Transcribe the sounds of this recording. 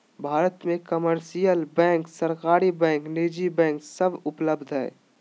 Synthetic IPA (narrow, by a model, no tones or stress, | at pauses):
bʱaːɾət̪mẽkəməɾsijəlbɛ̃ːŋksəɾkaːɾibɛ̃ːŋkneːd͡ʒibɛ̃ːŋksəbʊpləbd̪ʱɦɛ̰ː